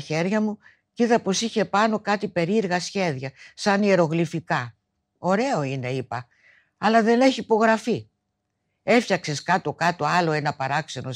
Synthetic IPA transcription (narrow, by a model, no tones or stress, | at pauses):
çe̞ɾʝɐmu | cit̪ɐpo̞siçe̞pɐno̞kɐt̪ipe̞ɾiɾɣɐsçe̞ðʝɐsɐnieɾo̞ɣlifikɐ | o̞ɾe̞o̞ine̞ipɐ | ɐlɐðe̞ne̞çiːpo̞ɣɾɐfi | e̞fçɐkse̞skɐt̪o̞kɐt̪o̞ɐlo̞e̞nɐpɐɾɐkse̞no̞